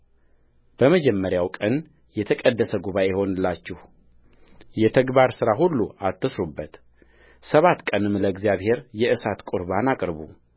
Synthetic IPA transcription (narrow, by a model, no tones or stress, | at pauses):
b̥əməd͡ʒɛmːəɾjawkʼən | jɛt̪ʰəkʼəd̪ːəsəɡuβaʔeho̞nɨlːat͡ʃːɪh | jɛt̪ʰəɡbaɾsɨɾahulːuʔat̪ʰːɨsɾubːət̪ | səβat̪ːkʼənɨmləɡzjaβhe̞ɾjɛʔɨsat̪kʼʊɾβanakʼɾβu